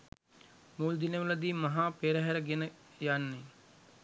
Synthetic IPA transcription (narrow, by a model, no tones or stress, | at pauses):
muːld̪inəʋələd̪iːmɐɦaːpeːɾəɦɛɾəɡenəjanːe